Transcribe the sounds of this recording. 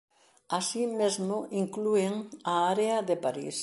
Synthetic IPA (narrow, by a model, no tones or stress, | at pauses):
asimezmʊʔiŋklueŋaaɾeaðepaɾḭs